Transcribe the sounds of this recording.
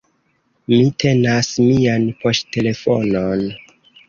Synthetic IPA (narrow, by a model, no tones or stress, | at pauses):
mitʰe̞nasmianpo̞stte̞le̞fo̰non